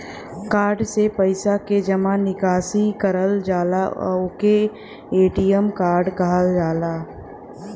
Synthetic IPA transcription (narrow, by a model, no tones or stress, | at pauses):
kaːɾɖsepəɪsaked͡ʒɐmãnɪkaːsikəɾəld͡ʒaːla̰ʊke | eːʈijəmkaːɾɖɡaːəld͡ʒaːlaː